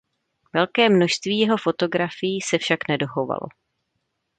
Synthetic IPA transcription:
vɛlkɛːmno̞ʃst̪viːjɛɦo̞fo̞t̪o̞ɡɾafɪjiːsɛfʃaknɛdo̞xo̞va̰lo̞̰

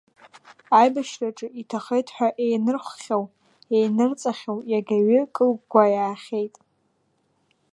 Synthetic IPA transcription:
ajbaʃraʈ͡ʂʼɨʔitʰaχejtʰʼħʷᶣaʔejnɨrχʷχʲaw | ejnɨrt͡sʼaχʲawjaɡʲaɥɪkʼɨlɡɡʷajaːχʲe̞jtʼ

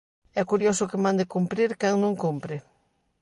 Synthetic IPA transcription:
ɛkuɾjosʊkɪmãnd̪ɪkumpɾiɾkaŋnũŋkompɾɪ

